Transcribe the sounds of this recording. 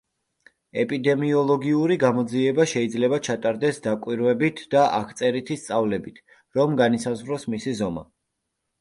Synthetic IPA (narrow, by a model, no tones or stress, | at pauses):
ɛpʼid̪ɛmiɔlˠɔɡiuɾiɡamɔd̪ziɛbaʃɛid̪zlɛbat͡ʃʰat̪ʼaɾd̪ɛsd̪akʼwiɾvɛbit̪ʰd̪̥aʔa̰kʰt̪sʼɛɾit̪ʰist̪sʼavlɛbit̪ʰ | ɾɔmɡanisazʁɾɔsmisizɔma̰